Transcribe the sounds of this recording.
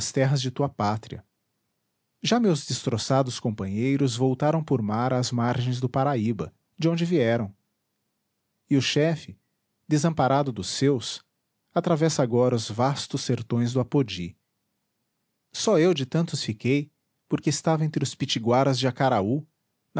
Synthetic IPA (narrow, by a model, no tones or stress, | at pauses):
st̪ɛɦɐzd͡ʒɪt̪uɐpat̪ɾiɐ̰ | ʒamewzd̪est̪ɾosad̪ʊskõpɐ̃ɲejɾʊzvowt̪aɾɐ̃w̃pʊɾmaɾazmaɾʒẽj̃zd̪ʊpaɾaibɐ | d͡ʒɪõnd͡ʒɪviɛɾɐ̃w̃ | ɪʊʃɛfɪ | d̪ezɐ̃mpaɾad̪ʊd̪ʊsːews | at̪ɾavɛsɐaɡɔɾɐʊzvast̪ʊsːeɾt̪õj̃zd̪ʊapod͡ʒi | sɔewd͡ʒɪt̪ɐ̃nt̪ʊsfikej | poɾkeɪst̪avɐẽnt̪ɾɪʊspit͡ʃiɡwaɾɐzd͡ʒɪakaɾau | n